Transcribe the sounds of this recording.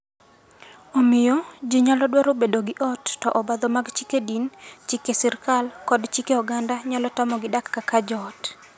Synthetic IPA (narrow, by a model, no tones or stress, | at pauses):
omɪjɔd͡ʒiɲalɔdwaɾobedoɡɪʔɔtːɔʔɔbad̪ɔmaɡt͡ʃikedint͡ʃikesɪrkalkɔdt͡ʃikeɔɡandaɲalɔtamɔɡɪdakːakad͡ʒɔt